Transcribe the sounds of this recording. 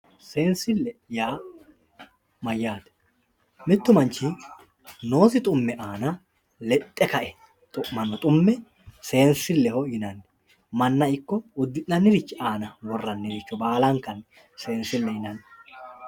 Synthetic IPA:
se̞ːnsɪlːɛjaː | mɐjːaːt̪ɛ̥ | mɪt̪ːʊmɐnt͡ʃːɪ | no̞ːsɪt̪ʼʊmːɛʔaːnɐ | lɛt̪ʼːɛkɐʔɛ | t̪ʼʊʔmɐnːɔt̪ʼʊmːɛ | se̞ːnsɪlːɛhɔjɪnɐnː | mɐnːɐɪkːɔʊd̪ːɪnɐnːɪɾɪt͡ʃːɪaːnɐwɔrːɐnːɪɾɪt͡ʃːɔbaːlɐŋkːɐn | se̞ːnsɪlːɛjɪnɐnː

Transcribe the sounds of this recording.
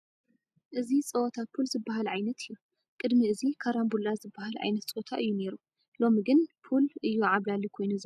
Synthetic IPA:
ʔɨzit͡sʼɐwɔt̪ʰapʰulzɨbːaɦalʕajnɐt̪ʰɨjːu | kʼɨd̪miɨzikʰaɾambulazɨbːahalʕa̰jnɐt̪t͡sʼoot̪ʰaʔɨjːune̞ɾu | lo̞miɡɨnpʰulʔɨjːuʕaβlalːikʰo̞jnuz

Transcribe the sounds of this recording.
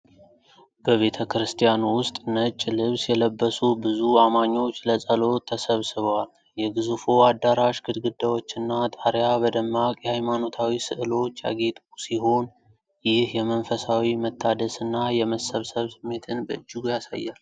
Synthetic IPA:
b̥əβe̞t̪ʰəkɾɨst̪ʰijanwʊst̪ʼnət͡ʃʼːlɨβsjɛləbːəsubɨzuamaɲːo̞t͡ʃːləsʼəlo̞t̪ʰəsəβsɨβəwal | jɛɡɨzufo̞ad̪ːaɾaʃɡɨd̪ɡɨd̪ːawo̞t͡ʃːɨnːat̪ʼaɾjabəd̪əmːakʼjɛhajmano̞t̪ʰawisɨʔɨlo̞t͡ʃːja̰ɡe̞t̪ʼusiɦo̞n | jɪhjɛmənfəsawimət̪ʰːad̪əsɨnːajɛməsəβsəβsɨmːe̞t̪ʰɨnbəɨd͡ʒːɨɡujasa̰jːal

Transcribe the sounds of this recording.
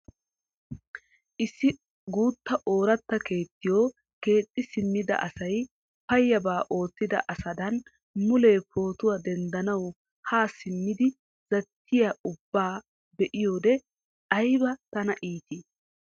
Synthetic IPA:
ʔɪsːɪ | ɡuːt̪ːɐʔo̞ːɾɐt̪ːɐke̞ːt̪ːɪjoː | ke̞ːt̪ʼːɪsɪmːɪd̪ɐ̰ʔɐsɐj | pɐjːɐbaːʔo̞ːt̪ːɪd̪ɐ̰ʔɐsɐd̪ɐn | mʊleːpo̞ːt̪ʊwad̪ɛnd̪ɐnɐw | haːsɪmːɪd̪ɪ | z̥ɐt̪ʰːɪjaʊbːaː | bɛʔɪjo̞ːd̪ɛ | ʔɐjbɐt̪ɐnɐʔiːt̪i

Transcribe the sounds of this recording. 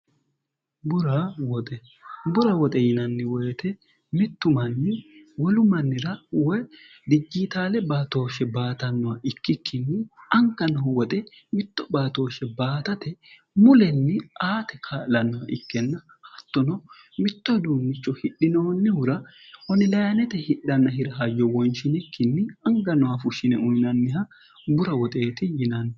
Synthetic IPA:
bʊɾɐwɔt̪ʼɛ | bʊɾɐwɔt̪ʼɛjɪnɐnːɪwɔjt̪ɛ | mɪt̪ːʊmɐnːɪwɔlʊmɐnːɪɾɐwɔj | d̪ɪd͡ʒːiːt̪aːlɛbaːt̪o̞ːʃɛbaːt̪ɐnːɔwɐʔɪkːɪkʰːɪnːɪɐŋkːɐnɔwɔt̪ʼɛ | mɪt̪ːɔbaːt̪o̞ːʃɛbaːt̪ɐt̪ɛ | mʊlɛnːɪʔaːt̪ɛkʰaːlɐnːɔwɐʔɪkːɛnːɐ | hɐt̪ːɔnɔ | mɪt̪ːɔd̪uːmːɪt͡ʃːɔhɪɗːɪnoːnːɪʊɾɐ | hɔnɪlɐjɐnɛt̪ɛhɪɗːɐnːɐhɪɾɐɦɐjɔwɔnʃɪnɪkːɪnːɪɐŋɡɐnɔwɐfʊʃɪnɛʔʊjnɐnːɪɦɐ | bʊɾɐwɔt̪ʼe̞ːt̪ɪjɪnɐn

